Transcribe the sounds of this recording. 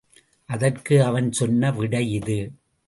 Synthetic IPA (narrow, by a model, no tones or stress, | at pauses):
ʔɐðɐrkɯɐʋɐnsɔnːɐʋɪɽɐjɪðɯ